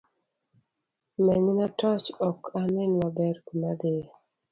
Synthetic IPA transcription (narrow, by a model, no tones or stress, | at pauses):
mɛɲnatɔt͡ʃɔkʰamɪnwabɛɾkunad̪ɪ